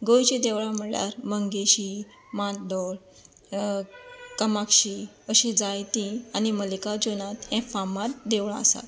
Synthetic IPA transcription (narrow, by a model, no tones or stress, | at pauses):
ɡojt͡ɕed̪eʋɭãm̤əɭja̰ɾməŋɡeɕiː | mat̪̚d̪ɔɭ | kəmakɕiː | əɕẽd͡zajt̪ĩaniməlikad͡ʑonat̪ɛ̃famat̪d̪eʋɭãə̰sa̰t̪